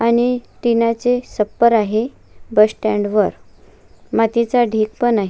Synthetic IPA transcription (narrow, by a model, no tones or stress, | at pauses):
añit̪inat͡sesəpːəɾaɦe | bəsʈɛ̃ɳɖʋəɾ | mat̪it͡saɖʱiːk̚pənaɦ